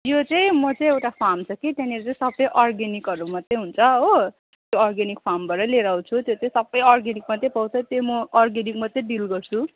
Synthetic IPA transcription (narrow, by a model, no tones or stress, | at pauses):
jot͡sʌĩmʌt͡saĩewʈapʰamt͡sʰʌkit̪janiʌɾut͡saĩsʌbʌjʔɔrɡenikʌɾumʌt̪ːejɦunt͡sʰʌɦo | t̪joɔrɡenikpʰambʌɾʌleɾaw̃t͡sʰut̪jot͡sʌĩsʌbʌjɔrɡenik̚mʌt̪ːepʌwt͡sʰʌt̪jomʌːrɡenik̚mʌt̪ːeɖilɡʌrt͡sʰu